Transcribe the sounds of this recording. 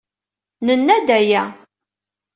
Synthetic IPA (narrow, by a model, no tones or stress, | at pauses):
nənːæd̪æjæ